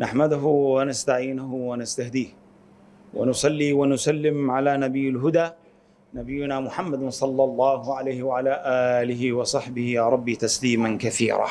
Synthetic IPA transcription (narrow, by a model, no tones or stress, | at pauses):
naħmad̪ʊɦʊwanast̪aʕiːnʊɦʊwanast̪ahd̪iːh | wa̰nʊsˤɑlːiːwanʊsalːɪmʕalaːnabɪjːalɦʊd̪aː | nabɪjːʊnaːmʊħamːad̪sˤɑlːɑlˤːɑːɦʊʕalajhɪwaʕalaːʔaːlɪɦɪwɑsˤɑħbɪhɪjaɾˤɑbːiːt̪asliːmankaθḭːɾa̰ː